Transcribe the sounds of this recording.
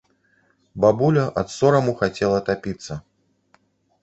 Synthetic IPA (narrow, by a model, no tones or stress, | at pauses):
babulʲɐʔɐt̪sɔɾɐmuxat͡sʲɛlˠɐt̪apʲit̪sːɐ